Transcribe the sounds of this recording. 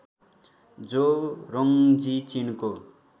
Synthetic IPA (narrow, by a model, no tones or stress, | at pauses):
d͡zorʌŋd͡zit͡sinko